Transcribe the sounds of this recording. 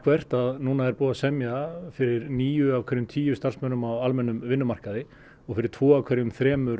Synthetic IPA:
kʰvɛr̥t̪aðnuːnaɛɾpuːðasɛmjafɪɾɪɾniːjʏavkʰɛɾjʏmt̪ʰiːjʏst̪ar̥smœnʏmawalmɛnːʏmvɪnːʏmar̥kaðɪ | ɔɣfɪɾɪɾ̥t̪ʰv̥ɔːavkʰɛɾjʏmθɾɛːmʏɾ

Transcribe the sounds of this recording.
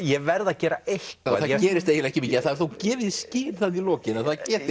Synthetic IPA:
jɛvɛɾðacɛːɾaejhkaθaðcɛːɾɪst̪eːjɪlɛhcɪmiːcɪaθaðɛɾθowcɛːvɪðsciːɾθaðilɔːcɪnaðθaðcɛːt̪ɪ

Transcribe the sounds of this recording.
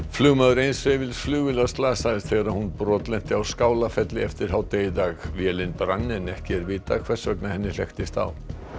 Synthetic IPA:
flʏːɣmaːðʏɾejnsvevɪlsflʏːɣvɪlast̪laːsaɣðɪst̪θeɣaɾahunpɾɔːt̪lɛn̥t̪ɪawskaːwlafɛt̪lɪɛft̪ɪɾ̥ɦawt̪eːjɪt̪aːɣvjɛːlɪnpɾanːɪnɛhcɪɛɾvɪːt̪akʰv̥ɛ̥sœknahɛnːɪl̥ɛ̰xt̪ɪst̪a̰w

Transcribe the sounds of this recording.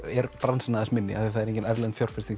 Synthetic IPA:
ɛɾpɾansanaːðɪsmɪnːɪ̰a̰θiθaðɛɾẽŋcɪnɛðlɛnt̪fjawɾ̥fɪst̪iŋ

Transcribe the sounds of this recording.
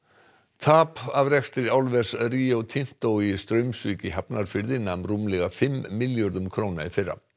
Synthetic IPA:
t̪ʰaːpavrɛkst̪ɾɪawlvɛsriːowt̪ʰɪn̥t̪owist̪ɾœɥmsvʏːcɪɦapnaɾ̥fɪɾðɪnːamruːmlɛɣafɪmːɪljɔɾðʏmkʰɾoːwnaifɪrːa̰

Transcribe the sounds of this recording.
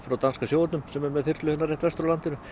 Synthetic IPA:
fɾawt̪anskasjoːwat̪nʏmsɛmɛɾmɛðθɪrt̪lʏhɪnːaɾrɛht̪vɛst̪ɾʏlant̪ɪnʏ

